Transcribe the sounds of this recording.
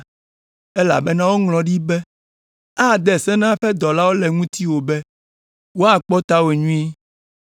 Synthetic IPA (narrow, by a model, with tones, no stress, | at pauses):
ɛ˦la̰˨bɛ˦nã˦wo˦ŋlɔ̃˨ɖi˦bɛ˦ | a˦˨d̪ɛ˨sɛ˦nã˦ɸɛ˦d̪ɔ˨la˦wo˦lɛ˨ŋũ˦t̪i˦wo˨bɛ˦ | wo˦a˨k͡pɔ˦t̪a˦we˨ɲũ˦i˦